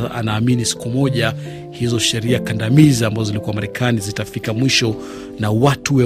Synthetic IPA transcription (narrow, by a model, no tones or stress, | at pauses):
a̰naːminisi̥kumɔʄa | hizɔʃɛɾiakandamiziambazɔzilikuwamaɾɛkʰanizitafikamwiʃɔ | nawatuwɛ